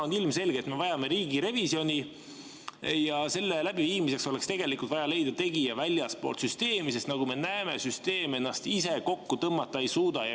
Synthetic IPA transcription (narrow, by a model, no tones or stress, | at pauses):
onilmse̞lɡ̥et̪me̞vɑjɑme̞ɾiːɡiɾe̞visio̞nʲi | jɑse̞lːelæb̥iviːmise̞kso̞le̞kst̪e̞ɡ̥e̞likˑult̪vɑjɑle̞jd̪̥ɑt̪e̞ɡ̥ijɑvælʲjɑspo̞̰ːlt̪syst̪e̞ːmise̞st̪nɑɡume̞næeme̞syst̪e̞ːme̞nːɑst̪ise̞ko̞kːut̪ɤmːɑt̪ːˑɑejsuːd̪̥ɑjɑ